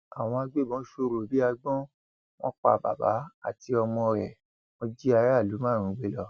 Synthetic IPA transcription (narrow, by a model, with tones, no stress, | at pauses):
a˨w̃ɔ̃˧a˧ɡ͡be˦˨bɔ̃˨˦ʃo˧ɾo˨bi˦a˧ɡ͡bɔ̃˦ | w̃ɔ̃˦k͡pa̰˧˨ba̰˨ba̰˨˦a̰˦˨ti˧ɔ˧mɔ̃˧ɾɛ˨ | wɔ̃˧d͡ʒi˦a˧ɾa˦˨lu˨˦mãː˦˨ɾ̃ũ˨˦ɡ͡be˦˨lɔ˧